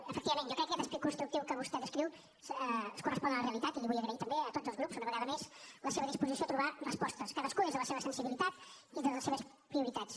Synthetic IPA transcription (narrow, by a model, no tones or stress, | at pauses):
əfəkt̪iβəmenjɔkɾɛkːəkɛt̪əspɾikunst̪ɾuk̚t̪iwkəβust̪ɛðəskɾiw | səskurəspɔnələreəlit̪at̪iliβujəɣɾəit̪əmbeət̪odzəlˠzɾupz̥unəβəɣaðəmezləseβəðispuzisiot̪ɾuβarəspɔst̪əskaðəskunezðələseβəsənsiβilit̪at̪ | int̪əðləseβəs | pɾiuɾit̪at͡s